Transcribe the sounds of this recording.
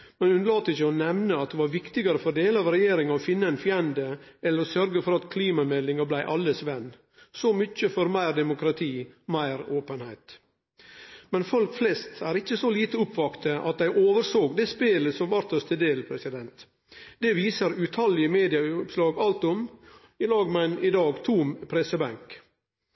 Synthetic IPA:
mɛnhʉnlɑːt̪əɪçːəɔnɛʋnəɑt̪̚d̪ɛʋɑɾʋɪkt̪ɪɡɑɾəfɔɾd̪eːləɑʋɾɛjeːɾɪŋɑɔfɪnːəɪnfjɛnd̪əɛlːəɾɔsœɾɡəfɔɾɑt̪kʰliːmɑmɛd̪lɪŋɑblæɪʔɑlːəsʋɛnː | sɔmʏt͡ʃːəfɔɾmæɪɾd̪ɛmʊkɾɑt̪ʰiːmæɪɾoːpənhæɪt̪ | mɛnfɔlkflɛst̪æːɾɪt͡ʃːəsɔliːt̪əʊpʋɑkt̪əʔɑt̪̚d̪æɪʔoːʋəɾsoːɡd̪ɛːspeːləsɔmʋɑɾt̪əst̪ʰəd̪eːlpʰɾɛsɪd̪ɛnt̪ | d̪ɛʋiːsəɾʉt̪ʰɑlɪəmeːd̪ɪɑpslɑːɡɑlt̪ɔm | ɪlɑːɡmɛnɪd̪ɑːɡt̪ʰuːmpʰɾɛsəbæŋk

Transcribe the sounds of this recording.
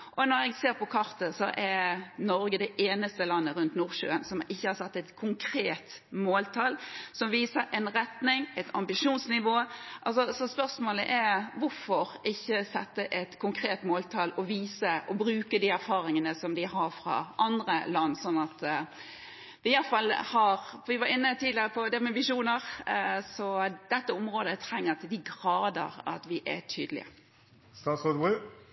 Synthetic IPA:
ʔɔnɔɾɛɡseːɾpɔkʰɑɾt̪əsɔʔɛɾnɔɾɡəd̪ɛʔeːnəst̪əlɑnːəɾʉnt̪nuːɾʃø̰ːənsɔmʔɪçːəhɑsɛt̪ːɛɪt̪kʰʊŋkʰɾeːt̪moːlt̪ʰɑlsɔmʋiːsəɾʔɛnɾɛt̪nɪŋɛt̪ʰɑmbɪʂuːnsnɪʋoːʔɑls̬ɔsɔspœɾsmoːləʔɛɾʋʊɾfɔɾʔɪçːəsɛt̪ːəʔɛt̪kʰʊŋkʰɾeːt̪moːlt̪ʰɑːlɔʋiːsəʔɔbɾʉːkəd̪iːæɾfɑːɾɪŋənəsɔmd̪ɪɦɑɾfɾɑ̰ʔɑnd̪ʁəlɑnːsɔnːɑt̪ | ʋɪjɑfɑlːhɑʁfɔɾʋɪʋɑɾɪnːət̪ʰiːd̪lɪəʁəpʰɔd̪ɛmɛbɪʂuːnəʁsɔd̪̥ɛt̪ːəʊmʁoːd̪ət̪ʰɾɛŋːət̪ʰɪd̪ɪɡɾɑːd̪ə̰ʁɑ̰t̪ʋɪʔɛ̰t̪ʰyːd̪əlɪ̰ə̰ | st̪ɑsɔd̪wi

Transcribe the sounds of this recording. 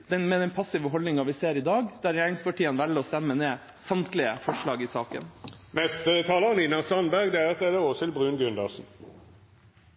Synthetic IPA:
d̪ɛnmɛd̪ɛnpʰɑsɪʋəɦɔld̪nɪŋɑʋɪseːɾɪd̪ɑːɡd̪̥æːɾjæːɾɪŋspɑʈʰiːənʋælːəɔst̪ɛmːəneː | sɑmt̪lɪəfɔʂɭɑːɡɪsɑːkə̰nnɛst̪ət̪ʰɑːləʁninɑsɑnbæʁɡd̪ɛæt̪ʰeːd̪əosɪlbʁʉːnɡʉnd̪ɑsn̩

